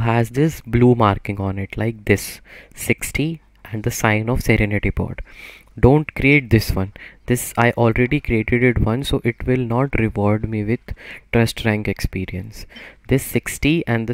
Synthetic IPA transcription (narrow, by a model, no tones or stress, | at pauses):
ɦæzd̪ɪsbluːmaːɾkɪ̃ŋɡɔ̃ːnɪʈlaɪk̚d̪ɪsːɪksʈi | ʔɛ̃ɳɖd̪əsãɪ̃nɔːʋsɛɾɛnɪʈibɔ̰ːʈ | ɖõːɳʈkɾieːʈ̚d̪ɪsʋʌ̃nd̪ɪsaɪʔɔːlɾeɖikɾieːʈeɖɪʈʋʌ̃nsoːʔɪʈʋɪlnɔːʈɾɪʋɔːɾɖmiʋɪd̪̥ʈɾʌsʈɾæ̃ŋkekspiːɾiə̃nsd̪ɪsːɪksʈiɛ̃ɳɖd̪ə